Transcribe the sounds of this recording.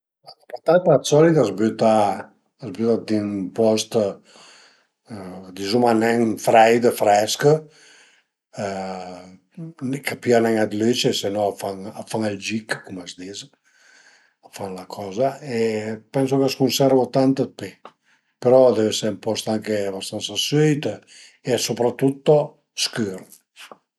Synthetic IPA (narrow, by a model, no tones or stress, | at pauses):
alapat̪at̪asɔlit̪azbyt̪aː | zbut̪ad̪inpɔst̪ | d̪izumanɛŋfɾɛjd̪əfɾɛskə | nkapianɛŋad̪let͡ʃesenɔafaŋafaŋald͡ʒikkumazd̪iz | afanlakʰɔːzaepɛns̬okaskunsɛɾvot̪ant̪əpe | peɾɔd̪ɛvesɛmpɔst̪aŋkeabast̪ansasøjt̪ | esopɾat̪ːut̪ːo | skyɾ